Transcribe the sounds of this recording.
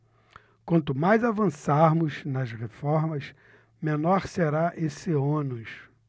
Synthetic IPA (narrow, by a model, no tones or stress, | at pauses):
kwɐ̃nt̪ʊmajzavɐ̃saɾmʊznɐsʁefɔɾmɐs | mẽnɔɾseɾaʔesɪõnʊʃ